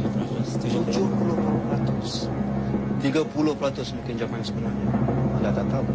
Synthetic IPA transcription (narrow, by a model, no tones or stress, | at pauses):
d͡ʒud͡ʒʊhpulʊhpapɾat̪ʊs | t̪iɡapulʊhpɾat̪ʊsmũŋkɪnd͡ʒamajsəbənaɲaədat̪at̪ap̚